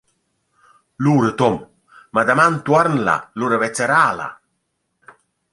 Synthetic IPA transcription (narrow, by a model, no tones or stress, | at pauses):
luːɾət̪ɔm | mad̪amant̪uaɾnla̰luɾəvɛt͡sːɛɾaːla̰